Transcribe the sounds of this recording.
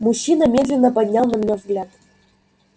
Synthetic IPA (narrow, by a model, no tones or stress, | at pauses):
muɕːinamʲed̪lʲenːə̆pad̪ʲnʲːɑlˠnɤ̆mnʲɤvɡlʲæt̪